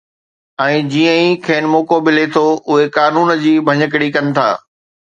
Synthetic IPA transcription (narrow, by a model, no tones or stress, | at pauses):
ɛ̃ːd͡ʑiːə̃ĩkʰeːnɪmoːkobɪlet̪ʰoʔʊɦekaːnuːnd͡ʑiːbʱɐɲək̬ɽikɐnɪ̆t̪ʰa̰ː